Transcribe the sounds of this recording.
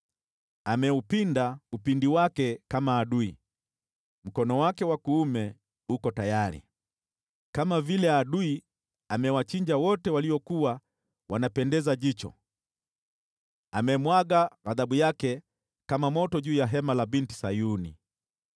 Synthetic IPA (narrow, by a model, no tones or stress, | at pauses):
amɛupindaupindiwakɛkamaːɗui | m̩kɔnɔwakɛwakuːmɛ | ukɔtajaɾḭ | kamavilɛaɗui | amɛwat͡ʃiɲd͡ʒawɔtɛwaliɔkuwa | wanapɛndɛzaʄit͡ʃɔ̰ | amɛmwaɡaɣaðaɓujakɛ | kamamɔtɔʄuːjaɦɛmalabinti̥sajunḭ